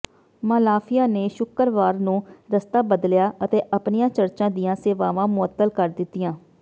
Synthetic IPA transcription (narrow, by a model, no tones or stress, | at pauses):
maːlaːfʰɪjãːneːʃʊkəɾʋaːɾnũːɾəst̪aːbəd̪ljaːət̪eːʔəpnɪjãːt͡ʃəɾt͡ʃãːd̪ijãːseːʋaːʋãːmʊət̪ːəlkəɾd̪ɪt̪ːijãː